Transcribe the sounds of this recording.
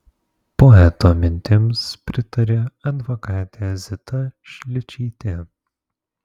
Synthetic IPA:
pɔɛt̪oːmʲɪnʲt̪ʲɪmspʲɾʲɪt̪ɐɾʲeːɐd̪ʋɔkɑːt̪ʲezʲɪt̪ɐʃʲlʲɪt͡ʃʲiːt̪ʲɪ

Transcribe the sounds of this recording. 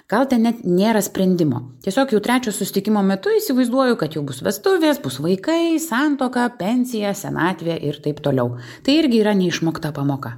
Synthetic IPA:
ɡ̥ɐlˠt̪ʲɛnnʲɛt̪nʲeːɾɐsʲpʲɾʲɛnʲd̪ʲɪmo̰ːt̪ʲiɛsʲoːkjɛʊt̪ʲɾʲæːt͡ʃʲoːsʊsʲɪt̪ʲɪkʲɪmoːmʲɛt̪ʊiːsʲɪʋɐɪzd̪uɔjʊkɐt̪jɛʊbʊsʋʲɛst̪ʊʋʲeːsbʊsʋɐɪkɐɪsɑnt̪oːkɐpʲɛnʲsʲɪjɛsʲɛnɑːt̪ʲʋʲɪjɛʔɪɾt̪ɐɪpt̪oːlʲɛʊ | t̪ɐɪɪɾʲɡʲɪiːɾɐnʲɛɪʃmoːkt̪ɑpɑːmoːkɑ

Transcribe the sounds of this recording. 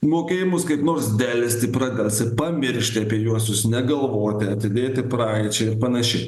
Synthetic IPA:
moːkʲeːjɪmʊskɐɪpnoːrsd̪ʲælʲɪsʲt̪ʲɪpɾɑd̪ʲɛlʲˠsʲɪpɐmʲɪɾʲʃʲt̪ʲɪɐpʲiɛjuɔsjʊsnʲɛɡɐlˠʋoːt̪ʲɪɐt̪ʲɪd̪ʲeːt̪ʲɪpɾɑːɪt͡ʃʲɛɪɾpɐnɐʃʲɪ

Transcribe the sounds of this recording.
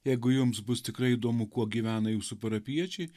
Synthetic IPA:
jɛɪɡʊjʊmsbʊst̪ʲɪkɾɐɪid̪oːmʊkuɔɡʲiːʋʲæːnɐjuːsʊpɐɾɐpʲiɛt͡ʃʲɛɪ

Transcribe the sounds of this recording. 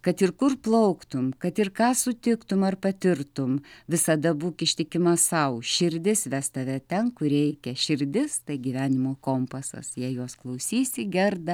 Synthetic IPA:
kɐt̪ɪrkʊrplˠɐʊkt̪ʊmkɐt̪ɪrkɑːsʊt̪ʲɪkt̪ʊmɐrpɐt̪ʲɪrt̪ʊmʋʲɪsɐd̪ɐbuːkʲɪʃʲt̪ʲɪkʲɪmɐsɐʊʃʲɪɾʲd̪ʲɪsʋʲæst̪ɐʋʲɛt̪ʲɛnkʊɾʲɛɪkʲɛʃʲɪrʲd̪ʲɪst̪ɐɪɡʲiʋʲæːnʲɪmoːkoːmpɐsɐ̰sjiɛjoɔsklˠɐʊsʲiːsʲɪɡʲɛrd̪ɐ

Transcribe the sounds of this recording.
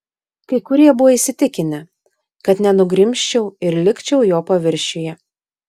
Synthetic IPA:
kɐɪkʊɾʲiɛbʊʋɐisʲɪt̪ʲɪkʲɪnʲɪ | kɐt̪nʲɛnʊɡɾʲɪmʲʃʲt͡ʃʲɛʊɪɾlʲɪkʲt͡ʃʲɛʊjoːpɐʋʲɪɾʲʃʲʊjɛ

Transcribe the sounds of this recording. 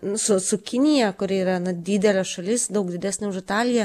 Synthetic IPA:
nʊsʊsʊkʲɪnʲɪjɛkʊɾʲɪiːɾɐnɐd̪ʲiːd̪ʲɛlʲɛsʃɐlʲɪsd̪ɐʊkd̪ʲɪd̪ʲæːsʲnʲʊʊʃɪt̪ɑːlʲɪjɛ

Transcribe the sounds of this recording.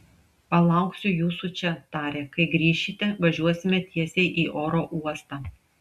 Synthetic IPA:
pɐlˠɐˑʊksʲʊjuːsut͡ʃʲɛt̪ɑːɾʲeːkɐɪɡɾʲiːʃʲit̪ʲɛʋɐʒʲuɔsʲɪmʲɛt̪ʲiɛsʲɛɪʔiːʔoːɾoːʔuɔst̪ɑː

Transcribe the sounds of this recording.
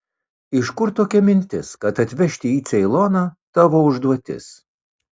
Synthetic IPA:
ɪʃkʊɾt̪oːkʲɛmʲɪnʲt̪ʲɪskɐt̪ɐt̪ʲʋʲɛʃʲt̪ʲɪiːt̪sʲɛɪlˠɔnɑːt̪ɑʋoːʊʒd̪uɔt̪ʲɪ̰s

